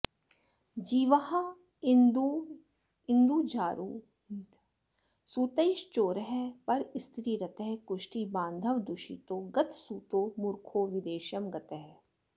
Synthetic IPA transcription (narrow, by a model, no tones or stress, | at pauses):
d͡ʒiːʋɐɦa | d̪ | ɪ̃nd̪uːd͡ʒaːɾuː | suːt̪ejʃt͡ʃoːɾəɦɛpɐɾɪst̪ɾiːɾɐt̪eɦɛkʊʃʈiːbãːnd̪ʱɐʋd̪ʊʃḭːt̪oːɡɐt̪suːt̪oːmʊɾkʰoːʋɪd̪eːʃjɐmɡɐt̪ɛɦɛ